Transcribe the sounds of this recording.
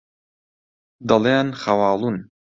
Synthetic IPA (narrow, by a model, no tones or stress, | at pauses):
d̪ɐlˠenxɐwɑːlˠun